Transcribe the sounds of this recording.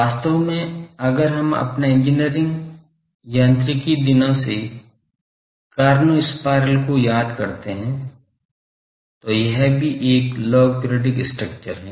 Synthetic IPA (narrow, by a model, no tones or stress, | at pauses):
aːst̪əʋmẽɐɡəɾɦɐmɐ̰pnaɪ̃ɲd͡ʒɪnijəɾɪ̃ŋɡ | jãnt̪ɾɪkid̪ɪnãse | kaːɾnuɪspaːɾəlkojaːd̪kɐɾt̪eɦɛ̃ | t̪ojɐɦbʱiʔeːklɔːɡ̚poɾjɔːɖɪksʈɾək̚t͡ʃəɾɦɛ̃ː